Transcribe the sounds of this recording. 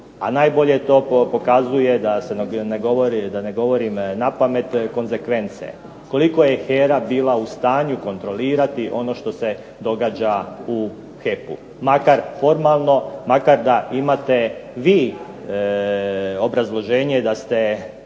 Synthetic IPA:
a̰najbo̞ʎe̞t̪o̞ːpo̞kazuje̞d̪aseneɡoʋoɾd̪aneɡo̞ʋo̞ɾimnapame̞t̪ko̞nze̞kʋe̞nt̪sḛ | ko̞liko̞jexeːɾabiːlaust̪aːɲuko̞nt̪ɾo̞liːɾat̪iʔo̞no̞ʃt̪o̞se | d̪o̞ɡad͡ʑau | xepṵ | makaɾfo̞ɾmalˠno̞makaɾd̪aimat̪e̞ʋiː | o̞bɾazlˠo̞ʒeːɲed̪ast̪e

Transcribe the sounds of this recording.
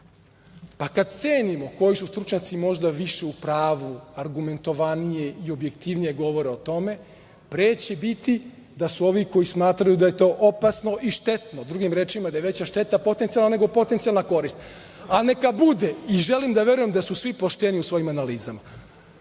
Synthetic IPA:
pakad̪t̪seːnimo̞ko̞jisust̪ɾut͡ʃɲat̪simo̞ʒd̪aʋiʃe̞upɾaːʋuaɾɡume̞nt̪o̞ʋanije̞ʔio̞bje̞kt̪iʋnije̞ɡo̞ʋo̞ɾeo̞t̪o̞me̞ | pɾeːt͡ɕebit̪i | d̪asuo̞ʋiko̞jismaːt̪ɾajud̪aje̞t̪o̞ːʔopasno̞ʔiʃt̪e̞t̪nod̪ɾuɡimɾe̞ːt͡ʃimad̪ajeʋe̞t͡ɕaʃt̪e̞t̪apo̞t̪ent̪ijalˠnane̞ɡo̞po̞t̪ent̪sialˠnako̞ɾist̪ | ane̞kabud̪eiʒe̞limd̪aʋe̞ɾuje̞md̪asusʋipoʃt̪eniusʋo̞jimanaliːzama

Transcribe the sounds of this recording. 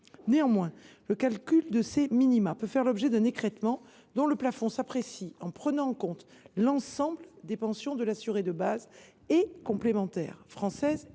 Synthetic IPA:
neɑ̃mwɛ̃ləkalkʲyld̪əseminimapøfɛʁlɔbʒɛd̪ɛ̃nekχɛt̪mɑ̃ | d̪ɔ̃ləplafɔ̃sapχesiɑ̃pχənɑ̃ɑ̃kɔ̃t̪lɑ̃sɑ̃bld̪epɑ̃sjɔ̃d̪əlasyʁed̪əbaz | ɛkɔ̃plemɑ̃t̪ɛ̰ʁfχɑ̃sɛz

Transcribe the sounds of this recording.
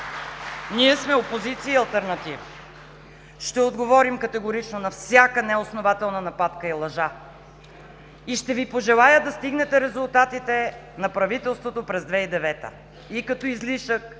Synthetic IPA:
niɛsmɛopozit̪sijəiɐlˠt̪ɛɾnɐt̪ivə | ʃt̪ɛod̪ɡovɔɾimkɐt̪ɛɡʊɾit͡ʃnonɐfsʲjakənɛosnovat̪ɛlˠnɐnɐpat̪kəilˠɐʒa | iʃt̪ɛvipoʒɛlˠajəd̪ɐst̪iɡnɛt̪ɛɾɛzʊlˠt̪at̪it̪ɛ | nɐpɾɐvit̪ɛlˠst̪vot̪opɾɛzd̪vɛid̪ɛvɛt̪ə̰ | ikɐt̪ɔizliʃək

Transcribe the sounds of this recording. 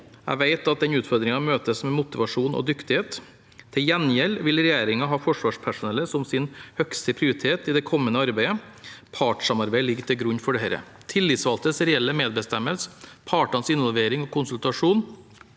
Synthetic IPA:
æ̰ʋæɪt̪ɑt̪̚d̪ɛnʉːt̪fɔɾd̪ɾɪŋɑmøːt̪əsmɛmʊt̪ɪʋɑʂuːnɔ̰d̪ʏkt̪ɪheːt̪ʰː | ɪljɛnjɛlʋɪlɾɛjeːɾɪŋɑɦɑːfɔʂʋɑːʂpʰæʂʊnɛlːəsɔmsɪnhœkst̪əpʰɾɪʊɾɪt̪ʰeːt̪ɪd̪ɛkʰɔmːənəɑɾbæɪəpʰɑːʈʂɑmɑɾbæɪlɪɡt̪ʰɪlɡɾʉnːfɔɖɛhɛɾə̰ | t̪ʰɪlːɪːt̪sʋɑlt̪əsɾɛɛlːəmeːd̪̚bəst̪ɛmːəlsə̥pʰɑːʈɑnsɪnʋɔlʋeːɾɪŋɔkʰʊnsʉlt̪ɑʂuːn

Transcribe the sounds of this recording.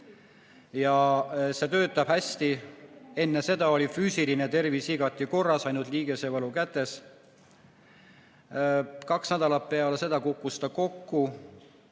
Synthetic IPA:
jɑse̞t̪ø̞ːt̪ːˑɑb̥hæsʲt̪ie̞nːe̞se̞d̪̥ɑo̞lʲifyːsʲiline̞t̪e̞rvisiɡ̥ɑt̪ːˑiko̞rːɑsɑjnud̪liːɡ̥e̞se̞vɤlukæt̪ːˑe̞s | kɑksnæd̪̥ɑlɑtpe̞ɑlese̞d̪̥ɑkukːˑust̪ɑko̞kːu

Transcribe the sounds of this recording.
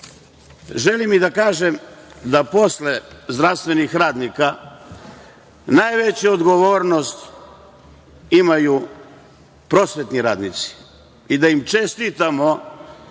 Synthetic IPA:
ʒe̞limid̪akaːʒe̞md̪apo̞slezd̪ɾaʋst̪ʋe̞nixɾaːd̪nika | najʋe̞t͡ɕuod̪ɡo̞ʋoːɾno̞st̪ | imaju | pɾo̞sʋe̞t̪niɾaːd̪nit̪si̥ | id̪aimt͡ʃe̞st̪it̪amo̞

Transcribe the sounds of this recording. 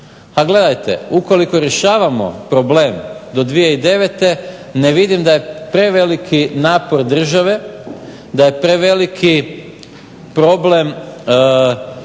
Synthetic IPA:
aɡle̞d̪ajt̪e̞̰uko̞liko̞ɾje̞ʃaːʋamo̞̰pɾo̞ble̞ːmd̪o̞d̪ʋije̞id̪e̞ʋet̪e̞neʋid̪imd̪aje̞pɾe̞ʋe̞likʰinaːpo̞ɾd̪r̩ʒaʋe̞ | d̪aje̞pɾe̞ʋe̞likʰi | pɾo̞ble̞m

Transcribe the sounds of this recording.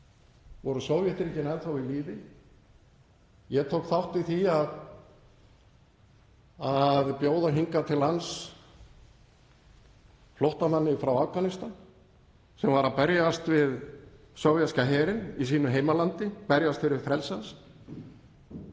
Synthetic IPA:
vɔɾʏsoːwvjɛht̪ɾicɪnaðθawiliːvɪ | jɛɣt̪ʰowkθawht̪viθiað | aðpjoːwðaɦiŋkat̪ʰɪlans | floht̪amanːɪfɾawafkanɪst̪an | sɛmvaɾapɛɾjast̪vɪð | sowvjaskaɦɛːɾɪnis̬iːnʏɦeːjmalant̪ɪpɛɾjast̪fɪɾɪvfɾɛlsans

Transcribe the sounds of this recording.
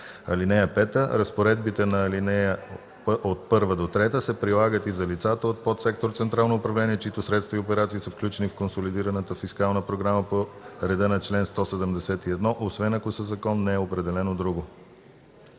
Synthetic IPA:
ɐ̰linɛjəpɛt̪əɾɐspoɾɛd̪bit̪ɛnɐːlinɛjə | ot̪̚pɤɾvəd̪ot̪ɾɛt̪əsɛpɾilˠaɡət̪izɐlit̪sat̪əot̪̚pɔt̪sɛkt̪oɾt̪sɛnt̪ɾalˠnoʊːpɾɐvlɛniɛt͡ʃit̪osɾɛt̪st̪vɐiopɛɾat̪siːsəfklʲut͡ʃɛnifkonsolid̪iɾənət̪əfiskalˠnəpɾoɡɾaməpoɾɛd̪ənɐt͡ʃlɛnst̪ɔsɛd̪əmd̪ɛsɛt̪iɛd̪nɔʔosvɛnɐkoisɛzɐkɔnːɛːopɾɛd̪ɛlɛnod̪ɾuɡo

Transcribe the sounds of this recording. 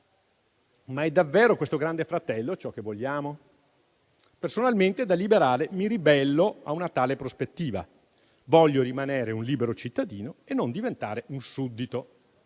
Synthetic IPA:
maɛd̪ːavːeːɾokwest̪oɡɾand̪efɾat̪ɛlːot͡ʃɔkːevːoʎːaːmo | personalment̪ed̪alːibeɾaːlemiɾibɛlːoaunat̪aːlepɾospet̪ːiːva̰ | vɔʎːoɾimaneːɾeunliːbeɾot͡ʃit̪ːad̪iːnoenːond̪ivent̪aːɾeunsud̪ːit̪o

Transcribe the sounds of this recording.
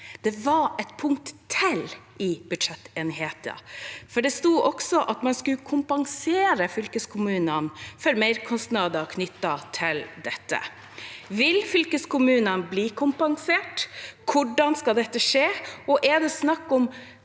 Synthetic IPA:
d̪̥ɛʋɑɾɛt̪pʰʊŋkt̪ʰːɪlʔɪbʉd̪ʂɛt̪ːeːnheːt̪ə̰fɔɖɛst̪uːʔɔksɔʔɑt̪mɑnskʉkʰʊmpɑŋseːɾəfʏlkəskʰʊmʉːnənfœɾmeɪɾkʰɔst̪nɑːd̪əkʰnʏt̪ːɑt̪ʰɪld̪ɛt̪ːə̰ | ʋɪlfʏlkəskʊmʉːnənbliːkʰʊmpɑŋseːʈkʰʊɖɑnskɑld̪ɛt̪ːəʂeːɔʔɛɖ̪ɛsnɑkːɔm

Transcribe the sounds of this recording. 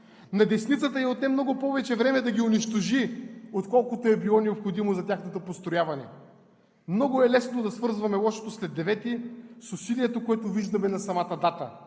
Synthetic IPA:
nɐd̪ɛsnit̪sət̪əiot̪nɛmnɔɡʊpɔvɛt͡ʃɛvɾɛmɛd̪ɐɡʲiʊniʃt̪oʒiot̪kɔlˠkʊt̪oɛbilˠɔnɛopxod̪imozɐt̪ʲaxnɐt̪opost̪ɾojavɐnɛ̰ | mnɔɡʊɛlɛsnod̪ɐsvɤɾzvɐmɛlˠɔʃo̥t̪oslɛd̪ːɛvɛt̪isʊsiliɛt̪okoɛt̪ʊviʒd̪ɐmɛnɐsɐmat̪əd̪at̪ə

